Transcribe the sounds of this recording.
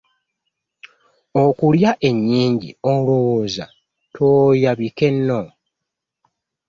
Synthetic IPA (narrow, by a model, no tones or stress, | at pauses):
o̞kuljaʔe̞ɲːiːɲɟḭoulowoːza̰ | tʰoːjaβike̞nːo